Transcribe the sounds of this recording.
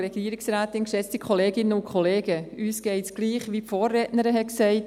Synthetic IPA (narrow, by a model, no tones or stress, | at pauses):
ɾɛɡ̥iəɾɪksɾaːtɪnkʃɛt͡stikχɔleːɡɪnəʊkʰχɔleːɡəyːsɡ̥ɛɪtsɡ̥liːχʋipfoːrːɛtnəɾəɦɛksɛɪt